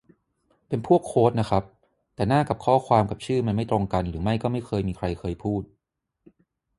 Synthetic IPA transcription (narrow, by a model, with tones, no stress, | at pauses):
pe˧npʰu˥˩əkʰːoː˦˥t̪̚na˦˥kʰɾa˦˥p̚ | t̪ɛː˨˩naː˥˩ka˨˩p̚kʰɔː˥˩kʰwaː˧mka˨˩p̚t͡ɕʰɯː˥˩ma˧nma˥˩jt̪ɾo˧ŋka˧nɾɯː˩˦ma˥˩jkɔː˥˩ma˥˩jkʰɤː˧jmiː˧kʰɾa˧jkʰɤː˧jpʰuː˥˩t̪̚